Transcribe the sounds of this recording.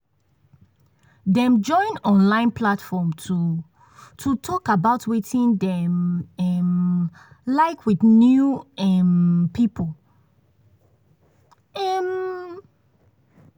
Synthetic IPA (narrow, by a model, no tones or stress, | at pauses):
dɛ̃md͡ʒɔ̃ɪ̃nɔ̃nlãɪ̃npʰlatfɔmtʰu | tʰutʰɔkabaʊtwetʰĩndɛ̃mɛm | laɪkʰwiθnjuɛmpipʰo | ɛm